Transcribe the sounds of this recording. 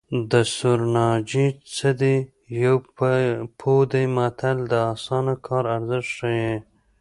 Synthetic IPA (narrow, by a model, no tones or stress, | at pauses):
d̪əsʊɾnɑd͡ʒit͡səd̪i | jaw | pʰod̪ejmat̪ʰald̪əɑsɑnakʰɑɾaɾzɪʂʂəje